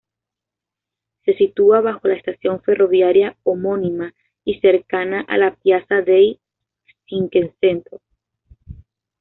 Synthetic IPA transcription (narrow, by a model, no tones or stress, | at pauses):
se̞sit̪uaβaxo̞laest̪asjo̞ɱfe̞ro̞βjaɾjaomo̞nima | ise̞ɾkanaʔa̰lapjasaðej | siŋkense̞nt̪o